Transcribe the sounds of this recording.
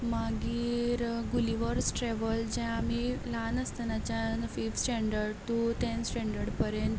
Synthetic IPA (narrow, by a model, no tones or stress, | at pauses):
maɡiːɾɡuliʋəɾsʈɾɛʋəld͡ʑɛ̃amilanəst̪ənat͡ɕanfifsʈɛ̃ɳɖəɾɖt̪uʈ̪ẽnsʈɛ̃ɳɖəɾɽpəɾjə̃nt̪